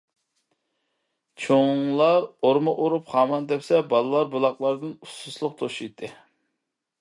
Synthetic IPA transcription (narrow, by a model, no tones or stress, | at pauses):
t͡ʃʰoŋlˠɑɾoɾmɨʔoɾupχɑːmɑnd̪ɛpsɛbɑlˠɨlˠɑɾbulˠɑqlˠɑɾd̪ɨnususlˠʊq̚t̪ʰoʃijt̪ʰːɨ